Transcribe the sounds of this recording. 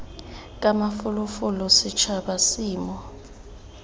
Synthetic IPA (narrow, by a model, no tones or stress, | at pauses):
kʼamafulufulɔsit͡ʃʰaɓasiːmɔ